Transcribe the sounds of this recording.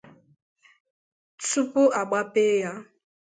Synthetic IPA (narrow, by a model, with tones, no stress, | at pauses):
t͡stu˦pu˦a˨ɡ͡ba˦peː˦ja˦